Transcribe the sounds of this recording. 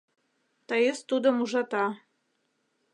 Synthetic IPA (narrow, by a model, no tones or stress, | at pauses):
t̪ɑjəst̪ud̪ɤ̆muʒɑt̪ɑ